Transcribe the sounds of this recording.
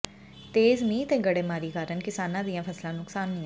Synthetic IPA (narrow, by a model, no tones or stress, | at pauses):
t̪eːzmĩːt̪eːɡəɽeːmaːɾiːkaːɾənkɪsaːnãːd̪iãːpʰəslãːnʊksaːnːĩã